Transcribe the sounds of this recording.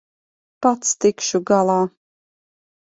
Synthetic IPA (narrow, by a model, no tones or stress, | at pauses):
pat̪st̪ikʃuɡalˠaː